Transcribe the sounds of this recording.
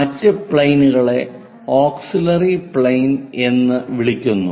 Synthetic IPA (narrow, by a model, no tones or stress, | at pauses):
ɐtːɨpɭejnuɣɐɭe̞ | oːksilɐripɭejne̞nːɨʋiɭikʲːunːu